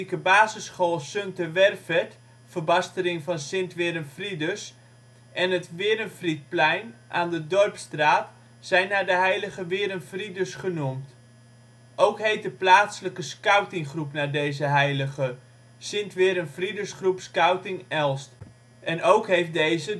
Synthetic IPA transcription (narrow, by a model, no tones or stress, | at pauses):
ikəbaːzəsχoːlˠsøntəʋɛrfɛt | fərbɑstəɾɪŋvɑnsɪntʋɪːɾənfridəs | ʔɛnətʋɪːɾənfrit̚plɛjnʔaːndədɔrpstraːt | sɛjnːaːɹdəɦɛjləχəʋɪːɾənfridəsχənumt | ʔowkɦejt̚dəplaːtsələkəskœwtɪŋχrupnaːdejzəɦɛjləɣə | sɪntʋɪːɾənfridəsχrupskœwtɪŋɛlˠst | ʔɛnowkɦejftdejzə